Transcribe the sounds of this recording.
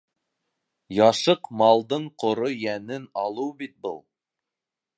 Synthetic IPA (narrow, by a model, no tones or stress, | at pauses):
jɑʃɤqmɑlˠd̪ɤɴqŏɾojænɘnɑlˠɤwbit̪̚bɤ̰lˠ